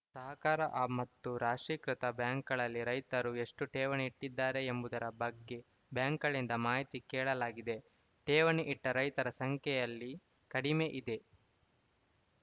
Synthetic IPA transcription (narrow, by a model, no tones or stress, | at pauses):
sɐɦɐkaːɾɐʔamɐt̪ːuɾaːʂɾiːkɾit̪ɐbjaːŋkɐɭɐlːiɾɐjt̪ɐɾue̞ʂʈuʈeːʋɐneiʈːid̪ːaːɾe̞ːmbud̪ɐɾɐbɐɡːe̞ | bjaːŋkɐɭind̪ɐmaːɦit̪ikɛːɭɐlaːɡid̪e̞ | ʈeːʋɐniʔiʈːɐɾɐjt̪ɐɾɐsɐŋkɛjɐlːi | kɐɽime̞ʔid̪e̞